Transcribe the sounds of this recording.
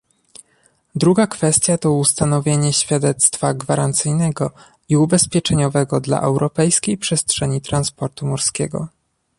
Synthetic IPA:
d̪ɾuɡakfɛst̪ʲjat̪ɔust̪anɔvʲjeɲɛɕfʲjad̪ɛt̪st̪faɡvaɾant̪sɘjnɛɡɔ | iubɛspʲjɛt͡ʂɛɲɔvɛɡɔd̪la̰ʔɛwɾɔpɛjskʲejpʂɛstʂɛɲit̪ɾanspɔɾt̪umuɾskʲɛɡɔ̰

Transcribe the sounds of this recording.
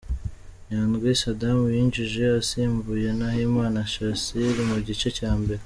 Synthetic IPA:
naːnɡwisadamujiːnd͡ʒiʒe̞asiːmbuje̞nahimaːnaʃasiɾimuɟit͡ʃe̞caːmbe̞ɾe

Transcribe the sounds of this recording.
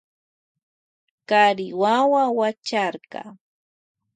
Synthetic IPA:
kaɾɪwawawat͡ʃaɾkɑ̰

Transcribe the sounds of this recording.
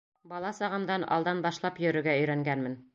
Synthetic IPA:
bɑlˠɑsɑʁɤ̆md̪ɑnɑ̰lˠd̪ɑnbɑʃlˠɑpjɵ̆ɾɵ̆ɾɡæɵ̆jɾæŋɡænmɘn

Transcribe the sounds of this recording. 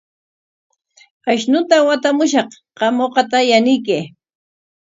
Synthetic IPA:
aʃnʊt̪awat̪amʊʃɑχqɑmoqɑt̪ajanɪjkɪ

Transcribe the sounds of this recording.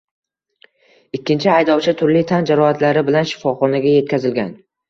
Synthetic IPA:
ɪkʲːɪnt͡ʃʰɪajd̪ɒwt͡ʃʰɪt̪ʰʊɾlɪt̪ʰand͡ʒaɾɒat̪laɾɪbɪlanʃɪ̥fɒχɒnaɡʲaje̞t̪̚kʲʰazɪlɡʲan

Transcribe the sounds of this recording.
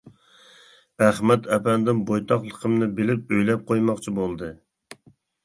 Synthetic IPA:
æχmɛt̪ʰɛpɛnd̪ɪnbojt̪ʰɑχlˠəqʰəmnɨbɪlɪp̚øjlɛp̚qʰojmɑqt͡ʃʰibolˠd̪ɨ

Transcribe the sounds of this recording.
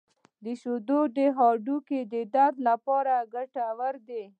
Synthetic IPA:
d̪əʃod̪oɖeɦɑɖuked̪əd̪ad̪lapɑɾaɡaʈawaɾd̪e

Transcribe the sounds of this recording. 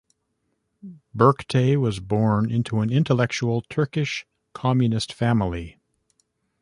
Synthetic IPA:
bɜ˞ktʰeɪwʌzbɔɹnɪ̃ntʰuɨ̃nɪ̃ntəlɛk̚t͡ʃul̩ˠtʰɜ˞kɪʃ | kʰɑmjɨnɨstfæ̃ml̩ˠi

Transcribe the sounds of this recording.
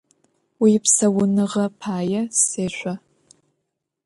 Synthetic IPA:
wiːpsɐwʊnɨʁɐpʰaːjɐseːɕʷɐ

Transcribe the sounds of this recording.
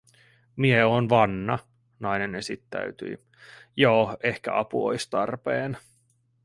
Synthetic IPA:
mieoːnʋɑnːɑ | nɑjnenesit̪ːæ̰ɥt̪y̰i | joːe̞hkæ̰ʔɑpuo̰jst̪ɑrpeːn

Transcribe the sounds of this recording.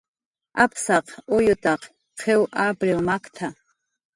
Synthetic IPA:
apʰsaqʰʼojotʼaqʼ | qʰewʔabrilmakʰʼtʰa

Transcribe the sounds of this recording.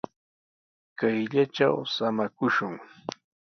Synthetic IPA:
kajʎaʈ͡ʂa̰wsamakʊʃʊŋ

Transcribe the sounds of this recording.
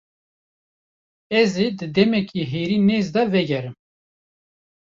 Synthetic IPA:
ɛzid̪ɨd̪ɛmɛkʰiːɦeːɾiːneːzd̪ɑvɛɡʲɛɾɨm

